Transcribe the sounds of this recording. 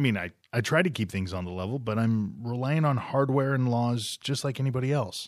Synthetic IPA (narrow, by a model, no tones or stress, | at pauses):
mĩnaɪ | aɪtʰɹ̥aɪɾɨkʰip̚θɪ̃ŋzn̩ðəlɛvl̩ˠbʌɾãɪ̃mɹilaɪɪ̃ŋə̃nhɑɹd̚wɛɹɨ̃nlɔzd͡ʒʌstˡlaɪkɛñibɑɾiɛlˠs